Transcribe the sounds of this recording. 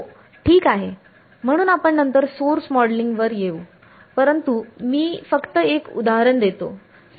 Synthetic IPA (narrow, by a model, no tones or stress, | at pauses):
ʈʰiːkaɦe | m̤əɽ̃uːnapəɳːənt̪əɾsoɾsmɔɖliŋɡʋəɾjeu | pəɾənt̪umiːfəkt̪əekṵd̪aɦaɾəɳd̪et̪o̰